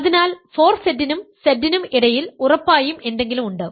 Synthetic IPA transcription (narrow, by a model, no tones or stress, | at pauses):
ɐðinaːlfo̞ːrsedːinumsɐdːinumiɽɐjilurɐpːaːjume̞nd̪e̞ŋɡilumuɳɖɨ